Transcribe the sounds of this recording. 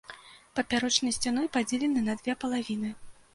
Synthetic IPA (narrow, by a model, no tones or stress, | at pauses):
pɐpʲaɾɔt͡ʂnɐjsʲt͡sʲan̪ɔjpad͡zʲelʲɛnɨnɐd̪vʲɛpɐlˠavʲin̪ɨ